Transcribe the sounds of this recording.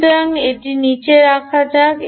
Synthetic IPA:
ɾaŋeʈinit͡ɕeɾakʰad͡ʑak

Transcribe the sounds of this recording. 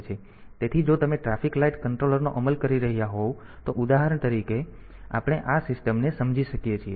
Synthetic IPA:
t͡ʃʰe | t̪et̪ʰid͡ʒot̪əmeʈɾafiklaiʈkəɳʈɾoləɾnoʔəməlkəɾiɾəɦijaɦo | t̪oʔud̪aɦaɾəɳt̪əɾike | a̰pɽ̃eʔasɪsʈəmnesəmd͡ʒiʃəkjet͡ʃʰie

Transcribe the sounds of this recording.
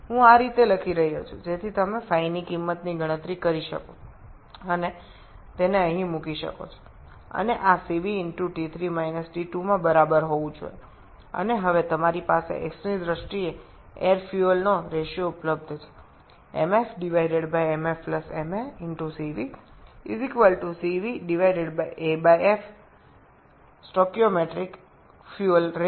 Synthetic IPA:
ɦũaɾit̪eləkʰiɾəɦiɦot͡ʃʰṵd͡ʒet̪ʰit̪əmefainikimːət̪niɡʱəɽ̃ə̃t̪ɾikəɾiʃə̰ko | əne | t̪eneəɦĩmũkiʃə̰ko̰t͡ʃʰo̥ | ə̰neʔasiʋiɪɳʈuʈit̪ʰɾimajnəsʈiʈumãbəɾabəɾɦoʋũd͡ʒo̰ḛ | ə̰neɦəʋet̪əmaɾipasḛʔḛksid̪ɾəʃʈie | eɾfjuəlnoɾeʃjoupləb̚d̪ʱt͡ʃʰe̥ | ḛmefɖiʋaiɖeɖbajemefpləsemeɪnʈusiʋiːzikʋəlʈusiʋiɖiʋaiɖeɖbajʔebajef | sʈokjomeʈɾik | fjuəlɾe

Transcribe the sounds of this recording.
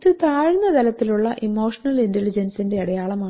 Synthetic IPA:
t̪ːɨt̪aːɻnːɐd̪ɐlɐt̪ːiluɭːɐʔimo̞ːʂɐnɐlintelid͡ʑɐnsinde̞ɐɽɐjaːɭɐmaːɳ

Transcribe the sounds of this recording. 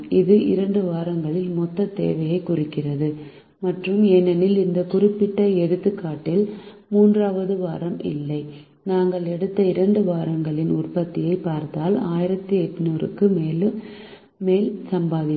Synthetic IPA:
ɪðɯʔɪ̰ɾɐɳɖɯʋaːɾɐŋɡɐɭɪlmɔt̪ːɐt̪ːḛːʋɐjɐɪkʊrɪkːɪrɐðɯ | mɐʈrɯmɛnːɛnɪlɪnd̪ɐkʊrɪpːɪʈːɐɛɽɯt̪ːɯkːaːʈːɪl | muːndraːʋɐðɯʋaːɾɐmʔɪ̰lːɐɪ | naːŋɡɐɭɛɽɯt̪ːɐɪɾɐɳɖɯʋaːɾɐŋɡɐɭɪnʊrpɐt̪ːɪjɐɪpːaːɾt̪aːlaːjɪɾɐt̪ːiɛʈ̪ːnuːrɯ̰kːɯmeːlɯmː | eːlsɐmbaːðɪ

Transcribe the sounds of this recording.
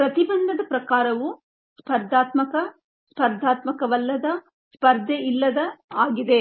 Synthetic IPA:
pɾɐt̪ibɐnd̪ɐd̪ɐpɾɐkaːɾɐʋu | spʰɐɾd̪ʱaːt̪mɐkɐ | spʰɐɾd̪ʱaːt̪mɐkɐʋɐlːɐd̪ɐ | spɐɾd̪ʱjeilːɐd̪ɐaːɡid̪e̞

